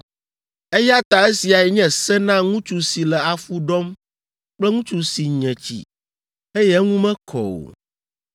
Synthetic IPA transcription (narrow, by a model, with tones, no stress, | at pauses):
e˦ja˦t̪a˨e˦si˨a˨ɛ˨ɲɛ̃˦sɛ˦nã˦ŋũ˦t͡ʃu˨si˨lɛ˨a˨fu˦ɖɔ˦m | k͡plɛ˦ŋũ˦t͡ʃu˨si˨ɲɛ̃˨t͡ɕḭ˨ | e˦jɛ˦ŋũ˦mɛ̃˦kʰɔ̰˨o̰˨